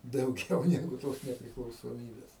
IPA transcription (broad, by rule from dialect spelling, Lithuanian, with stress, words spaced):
dɐʊˈɡʲɛʊ ˈnʲæːɡʊ toːs nʲɛpʲrʲɪklˠɐʊsoːˈmʲiːbʲɛs